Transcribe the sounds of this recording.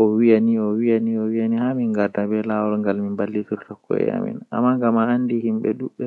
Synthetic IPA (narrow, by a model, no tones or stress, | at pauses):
ʔɔwijaniɔwijaniɔwijanihamiŋɡadabɛlawɔɾŋɡalminbalːituɾtɔkʰːɔ̰ɛ̰ja̰mḭna̰mːaŋɡamaandihimɓɛ̰ɗuɓːɛ